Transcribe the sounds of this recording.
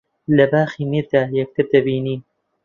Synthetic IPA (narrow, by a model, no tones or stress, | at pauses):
lɐbaːxiːmiːɾd̪aːjɛk̚t̪ʰɨɾd̪ɐbiːniː